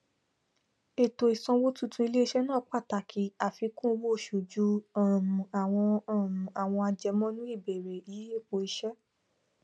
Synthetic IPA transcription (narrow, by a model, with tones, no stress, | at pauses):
e˨to˨i˨sɔ̃˧wo˦tũ˦tʰũ˧i˧le˦˧ʃɛ˦nãː˦˨˦k͡pa˦˨ta˨kʰi˨˦a˨fi˧kũ˦˧wo˦˨ʃu˨d͡ʒu˧˦ɔ̃˨ũ˨a˨w̃ɔ̃˧˦˨mũ˨a˨w̃ɔ̃˧a˧d͡ʒɛ˧mɔ̃˦nũ˦i˦˨be˨ɾe˨i˨ji˦e˦˨k͡po˧i˧ʃɛ˦